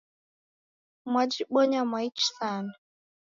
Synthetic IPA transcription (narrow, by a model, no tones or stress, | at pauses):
mwad͡ʒiɓɔɲamwait͡ʃi̥sana